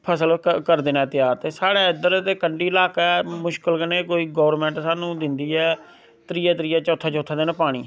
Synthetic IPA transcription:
pʰəsəlkəɾd̪ɪːnãːt̪ɪjaːɾt̪eːsaːɽaːɪd̪əɾt̪eːkəɳɖiːɪlaːkaɛːmʊʃkəlkəneːkoːiːɡɔːʋəɾmɛ̃ːɳʈsaːnũːd̪ɪnd̪iːɛː | t̪əɾiːaːt̪əɾiːaːt͡ʃɔːt̪ʰːaːt͡ʃɔːt̪ʰaːd̪eːnãːpaːɽ̃iː

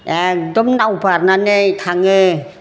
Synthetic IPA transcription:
ɛk̚dɔmnawbaɾnanejt̪ʰaŋɯ

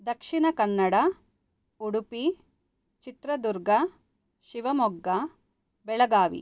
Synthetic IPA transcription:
d̪ɐkʂinɐkɐnːɐɽɐ | uɽupi | t͡ʃit̪ɾɐd̪uɾɡɐ | ʃiʋɐmɔɡːɐ | bɛɭɐɡaːʋḭ

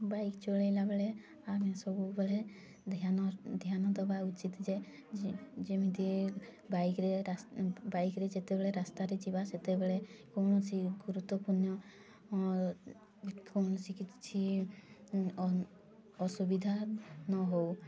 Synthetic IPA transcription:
bajkt͡ʃoɭejlabeɭe | amẽsɔbubɔle | d̪ʱanɔd̪ʱjanɔt̪ɔbaut͡ʃit̪d͡ʒe | d͡ʒemit̪i | bajkɾeabaikɾed͡ʒet̪ebeɭeɾast̪aɾed͡ʒibaset̪ebeɭekɔnɔt͡ʃʰiɡuɾut̪wɔpuɾnɔ | konɔsikit̪t͡ʃʰi | ɔsubid̪ʱanɔɦow

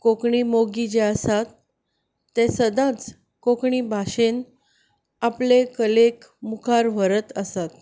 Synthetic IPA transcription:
kokɳiːmoɡid͡ʑeəsat̪ː | esəd̪ãt͡s | kokɳiːbʱaɕen | aplekəlekmukʰaɾʋ̤əɾət̪əsat̪

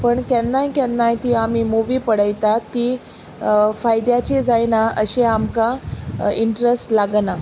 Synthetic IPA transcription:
pəɳkɛnːajkɛnːajt̪iːam̤iːmuʋiːpəɽəjt̪at̪ːiː | fajd̪jat͡ɕed͡zajnaə̰ɕeamkaiɳʈɾesʈlaɡna

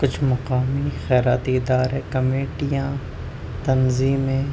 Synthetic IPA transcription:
kʊt͡ʃʰmɐqaːmixɛːɾaːt̪iɪd̪aːɾekɐmeːʈijãː | t̪ɐnziːmẽː

